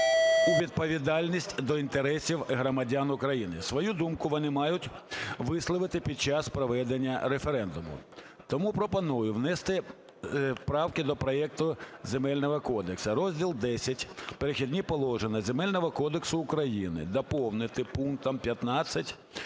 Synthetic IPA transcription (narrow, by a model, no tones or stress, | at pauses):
iʋʲid̪̚pɔʋʲid̪ɑlʲnʲisʲtʲd̪ɔint̪eɾɛsʲiwɦɾɔmɐdʲanʊkɾɐjinɪsʋɔjud̪umkʊʋɔnɪmɑjʊtʲʋɪslˠɔʋɪt̪ɪpʲid̪̚t͡ʃɑspɾɔʋɛd̪enʲːɐɾefeɾɛnd̪ʊmʊ̰ | t̪ɔmupɾɔpɔnujʊʋnɛst̪ɪ | pɾɑwkɪd̪ɔpɾɔɛk̚t̪ʊzʲemɛlʲnɔɦɔkɔd̪eksɐɾɔzʲdʲilˠd̪ɛsʲɐtʲpeɾexʲid̪ʲnʲipɔlˠɔʒenʲɐzʲemɛlʲnɔɦɔkɔd̪eksʊːkɾɐjinɪ̰d̪ɐpɔwnɪt̪ɪpuŋk̚t̪ɔmpʲjɐt̪nɑt͡sʲːɐtʲ